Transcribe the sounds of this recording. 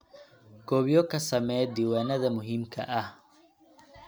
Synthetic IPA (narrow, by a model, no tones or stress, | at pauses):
ɡ̥ɔːβjɔkʰɐsɐmɛjd̪iːwaːnɐðɐmʊɦimkʰɐ̰ʔɐh